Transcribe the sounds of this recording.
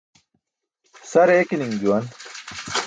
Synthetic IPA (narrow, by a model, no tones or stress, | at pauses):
sɐɾekiniŋd͡ʑuwɐn